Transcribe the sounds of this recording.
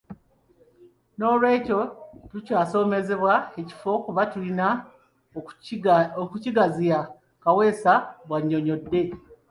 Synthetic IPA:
no̞ːlwe̞ːco̞tucaːso̞ːme̞ze̞βwae̞ci̥fo̞kuβatulina | okuciɡazija | kawe̞ːsaβwaɲːo̞ɲo̞dːe̞

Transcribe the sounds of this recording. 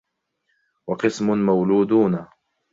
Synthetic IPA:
wɑqɨsmʊnmawluːd̪uːna

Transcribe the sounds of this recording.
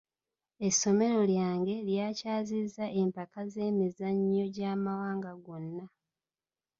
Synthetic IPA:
esːo̞me̞ɾo̞ljaːŋɡe̞ljaːcaːzizːaʔe̞mpakaze̞ːmizaɲːo̞ɟaːmawaːŋɡaɡo̞nːa

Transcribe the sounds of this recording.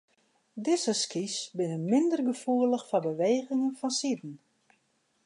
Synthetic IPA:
dɪsəskisbɪnəmɪndərɡəfuələxfɔbəʋeːɣɪŋənfɔnsidn̩

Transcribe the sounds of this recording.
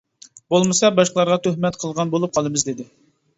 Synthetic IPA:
bolˠmɨsɑbɑʃqlˠɑɾʁɑt̪ʰøhmɛt̪qʰəlˠʁɑnbolˠup̚qʰɑlˠɨmɨzd̪ɪd̪ɪ

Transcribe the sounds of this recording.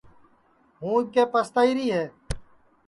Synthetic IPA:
ɦũːkeːpəst̪aːiːɾiːɦɛː

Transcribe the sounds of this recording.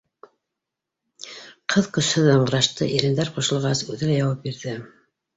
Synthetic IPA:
qʰɤðqɵ̆shɘðɑɴɤ̆ɾɑʃt̪ɤ̰ʔiɾɘ̆nd̪æɾqŏʃɤ̆lˠʁɑsʉðɘ̆læjɑwɑp̚biɾðɘ

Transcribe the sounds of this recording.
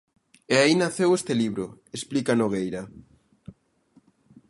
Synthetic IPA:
eainaθewest̪eliβɾoesplikanoɣejɾa

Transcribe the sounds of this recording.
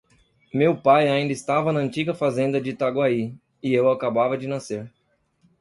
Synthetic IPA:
mewpajaĩd̪ɐɪst̪avɐnɐɐ̃nt͡ʃiɡɐfazẽnd̪ɐd͡ʒɪt̪aɡwai | ɪewakabavɐd͡ʒɪnaseɾ

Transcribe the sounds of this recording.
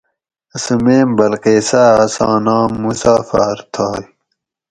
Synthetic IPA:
ɐsumeːmbɐlqeːsaːɐsɑ̰ːnɑ̃ːmːusaːfaːɾt̪ʰɑːj

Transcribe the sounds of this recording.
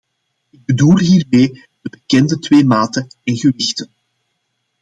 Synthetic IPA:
ɪɡ̚bədulˠɦiːrmeː | d̥əbəkɛndətweːmaːtənɪnɣəʋɪxtən

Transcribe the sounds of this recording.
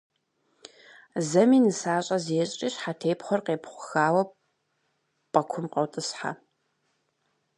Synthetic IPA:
zɐmiːnɨsaːɕʼɐzeːɕʼiːɕħatʰeːpχʷɔrqeːpχʷʊxaːwɐ | pʼɐkʷʰʊmqɐwtʼɨsħa̰

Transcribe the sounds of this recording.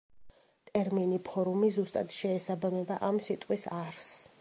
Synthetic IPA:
t̪ʼɛɾminipʰɔɾumizust̪ʼad̪ʃɛːsabamɛbaʔamsit̪ʼqʼwisaɾs

